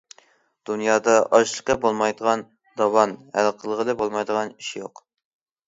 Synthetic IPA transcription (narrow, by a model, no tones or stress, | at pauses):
d̪̥unjɑːd̪ɑʔɑʃlˠə̥qːɑbolˠmɑjd̪əʁɑn | d̪ɑwɑnhælˠqʰəlˠəʁəlɨbolˠmɑjd̪əʁɑni̥ʃijoq